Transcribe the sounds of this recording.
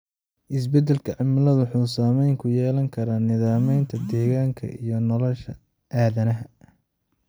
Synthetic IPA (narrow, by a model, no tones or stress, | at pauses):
ʔɪs̬bɛd̪ːɛlkʰɐʕɪmlɐðħuːsaːmɛjŋkʰʊjɛːlɐŋkʰɐɾaːnɪðaːmɛjnt̪ʰɐd̪ɛːɣaːŋkʰɐ̰ʔijɞnɔlɔʃɐ̰ | ʔaːðɐnɐɦɐ